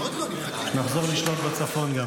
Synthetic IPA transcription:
naχzo̞ʁliʃlot̪bet͡safo̞nɡa

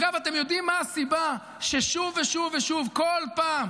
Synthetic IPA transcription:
ɡavat̪emjo̞d̪imːaːsiba | ʃeʃuveʃuveʃuvkolpaːm

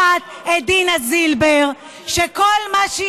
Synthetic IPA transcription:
at̪̚ | ed̪inazilbeʁ | ʃekolmaʃ

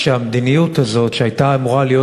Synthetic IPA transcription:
ʃeamd̪inijut̪azo̞tʃeajtaamuʁalijo

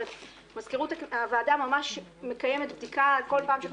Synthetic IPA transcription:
f | mazkeʁutakavaːdamamaʃme̞kajeme̞t̪bd̪ikalko̞lpaːmʃe

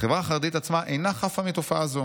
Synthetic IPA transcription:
χevʁaːχaʁed̪it̪at͡smaʔejnaχafamit̪ofaʔazo

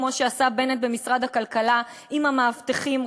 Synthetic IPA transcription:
mo̞ʃeasabe̞net̪̚bemisʁad̪hakalkalaimamaːvt̪eχim

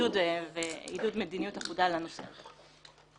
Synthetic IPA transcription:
udveidudmedinijutaχudalanosḛ

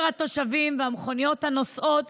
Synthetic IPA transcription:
ʁat̪o̞ʃavimveamχo̞nijo̞thano̞sʔot̪

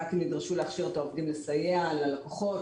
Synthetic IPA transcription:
akimnid̪ʁaʃuleaχʃiʁot̪aovd̪imlesajealalekoχo̞t

